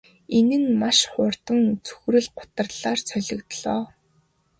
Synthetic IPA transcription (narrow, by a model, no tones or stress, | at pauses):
enɘ̆nmaʃχʊːrt̪ə̆ŋt͡sʰɵ̥xɾɘ̆ɮɢʊ̥t̪ə̆rɮaːrt͡sʰœɮɞ̆kt̪ɮɔː